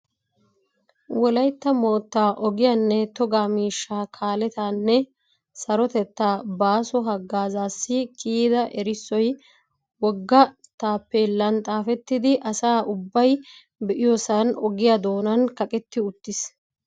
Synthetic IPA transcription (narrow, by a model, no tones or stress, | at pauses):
wɔlɐjt̪ːɐmo̞ːt̪ːaːʔɔɡɪjɐnːɛt̪ɔɡaːmiːʃːaːkʰaːlɛt̪aːnːɛ | sɐɾɔt̪ɛt̪ːaːbaːsɔɦɐɡːaːzaːsːɪkʰʼiːd̪ɐʔɛɾɪsːɔj | wɔɡːɐ | t̪aːpːɛlːɐnt̪ʼaːfɛt̪ːɪd̪ɪʔɐsaːʔʊbːɐj | bɛʔɪjɔsɐnɔɡɪjad̪o̞ːnɐnkɐkʼɛt̪ːɪʊt̪ːɪs